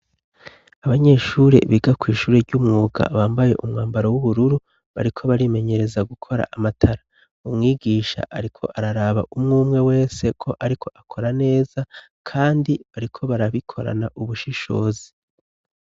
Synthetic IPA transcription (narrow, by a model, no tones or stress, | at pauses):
aβaɲe̞ʃuːɾe̞̰βiɡakwiːʃuːɾeɾɟumŋuːɡa̰βaːmbaje̞ʔumŋaːmbaɾo̞wuβuɾuɾu | βa̰ɾikʰo̞βaɾime̞ɲe̞ɾe̞zaɡukʰo̞ɾa̰ʔamatʰaɾa | umŋiːɡiːʃa̰ʔaɾikʰo̞̰ʔaɾaɾaːβa̰ʔumŋuːmŋe̞we̞ːse̞kʰo̞ʔaɾikʰo̞ʔakʰo̞ɾane̞ːz̥a | kʰaːndiβaɾikʰo̞βaɾaβikʰo̞ɾa̰naʔuβuʃiʃo̞̰ːzi